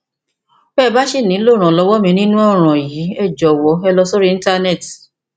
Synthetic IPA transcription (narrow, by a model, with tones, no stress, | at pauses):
bɛː˦˨ba˦ʃi˦˨nĩ˨˦lo˦˨ɾ̃ã˨lɔ˨˧wɔ˦mĩ˧nĩ˦nũ˦ɔ˦˨ɾ̃ɔ̃˨ji˨˦ɛ˦˨d͡ʒɔ˨wɔ˨˦ɛ˧lɔ˧so˦ɾi˦ĩ˧˦ta˧nɛ˦˨ti˨